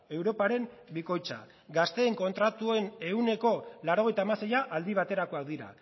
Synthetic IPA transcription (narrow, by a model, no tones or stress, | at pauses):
e̞wɾo̞paɾe̞mbiko̞jt͡sa̰ | ɡast̪e̞ːŋko̞nt̪ɾat̪ue̞ne̞une̞ko̞laɾo̞ɣ̞e̞jt̪aːmasejaʔald̪iβ̞at̪e̞ɾako̞ak̚d̪iɾa̰